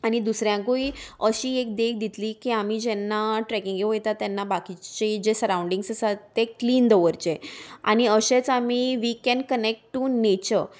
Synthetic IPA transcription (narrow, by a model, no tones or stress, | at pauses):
añid̪usɾjãkoiəɕiːek̚d̪ekʰd̪it̪liːkiamid͡ʑɛnːaʈɾɛkiŋɡeujt̪at̪ːjɛnːabakit͡ɕed͡ʑesəɾauɳɖiŋɡsəsat̪ːekliːnd̪əʋəɾt͡ɕea̰ñiəɕet͡samiːʋikɛ̃nkənek̚ʈʈːunet͡ɕəɾ